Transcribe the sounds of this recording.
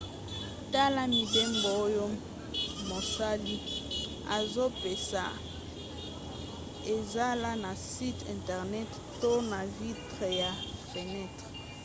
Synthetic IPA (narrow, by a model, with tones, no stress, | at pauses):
ta˦la˦mi˨be˦mbo˨o˦jo˦ | mo˨sa˦li˦ | a̰˨zo˦pe˨sa̰˨ | e˨za˦la˦na˨si˦tɛ̰̃˨ntɛ˨ʁnɛ˦t | to˦na˨vi˦tʁe˨ja˨fe˨nɛ˦˨tʁe˨